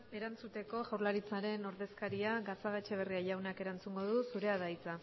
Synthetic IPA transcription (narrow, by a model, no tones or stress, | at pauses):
e̞ɾant͡sut̪e̞ko̞ʝawɾlaɾit͡saɾe̞no̞ɾðe̞skaɾiaɣasaɣat͡ʃeβ̞e̞riaʎawnake̞ɾant͡suŋɡo̞ðusuɾe̞að̞ajt͡sa